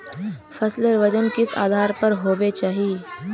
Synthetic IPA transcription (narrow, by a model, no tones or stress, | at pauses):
fɐsleɾʋəd͡ʒənkɪsa̰ːd̪ʱaːɾpɐɾɦoːbet͡ʃaːɦiː